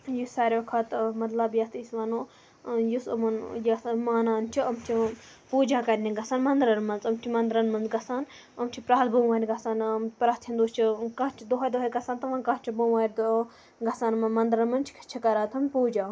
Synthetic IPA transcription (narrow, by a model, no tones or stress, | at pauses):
jusaːɾʲoːkʰɐt̪mɐd̪lɐbjɐst̪ʰisʋɐnoː | jusɐ̰mɐnjɐsmaːnaːnt͡ʃʰiɐmt͡ʃʰi | puːd͡ʒaːkɐɾʲnʲiɡɐsaːnmɐnd̪ɾɐnmɐnzɐmt͡ʃʰimɐnd̪ɾɐnmɐnzɡɐsaːn | ɐmt͡ʃʰipɾaːt̪bɐwʋaːnʲɡɐsaːnpɾaːt̪ʰĩnd̪oːst͡ʃʰikɐt͡ʃʰid̪oɦɐjʲd̪oɦɐd̪̚ɡɐsaːnt̪ɐʋɐ̃nkɐt͡ʃʰibɐʋaːɾd̪ | ɡɐsaːnmɐnmɐnd̪ɾɐnmɐnt͡ʃʰi̥kʰɐ̥t͡ʃʰikɐɾaːt̪ʰɐmʲpuːd͡ʒaː